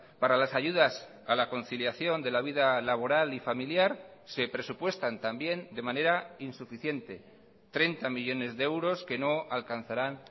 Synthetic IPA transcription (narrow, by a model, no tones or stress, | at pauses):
paɾalasaʝuðas | alako̞n̟θiljaθjo̞nd̪e̞laβ̞iðalaβ̞o̞ɾalifamiljaɾse̞pɾe̞supwe̞st̪ant̪ambje̞nd̪e̞mãne̞ɾainsufiθje̞nt̪e̞ | t̪ɾe̞nt̪amiʎo̞ne̞zðeewɾo̞ske̞no̞alkan̟θaɾan